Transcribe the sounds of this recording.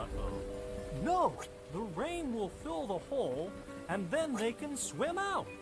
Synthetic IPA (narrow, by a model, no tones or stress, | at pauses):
noʊ | ðəɹẽɪ̃nwɪlˠfɪlˠðəhoʊlˠ | ɨ̃nðɨ̃nðeɪkɨ̃nswɪ̃maʊt̚